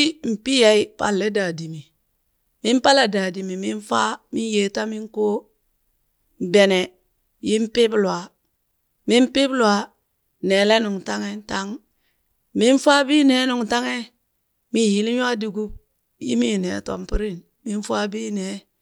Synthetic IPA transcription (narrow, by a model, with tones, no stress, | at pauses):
m̩˨pi˦ja˨i˦pa̰˨lːe˦da˨di˨mi˨ | mi˦m˦pa˦la˨da˨di˨mi˨mi˦n˦fa˦mi˦je˨ta˦mi˦ŋko˦˨ | be˨ne˨ | ji˦m˦pi˦blwa˨ | mi˦mpi˦blwa˨ | ne˨le˦nu˨ŋ˨ta˦ŋe˦n˦ta˦ŋ | mi˦n˦fa˦bi˦ne˨˦nu˨ŋta˦ŋe˦ | mi˦n˨ji˦li˦m˦a˦du˨ɡu˦b̚ | jḭ˦mi˦˨ne˨to̰˨mpi˦ɾi˦n | mi˦n˦fa˦bi˦ne˨˦